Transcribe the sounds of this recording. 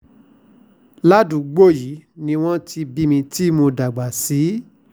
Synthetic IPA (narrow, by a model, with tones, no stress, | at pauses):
la˦dũ˨˦ɡ͡bo˦˨ji˨˦nĩ˧w̃ɔ̃˦ti˧bi˦mĩ˧ti˦mo˧da˨ɡ͡ba˨si˨˦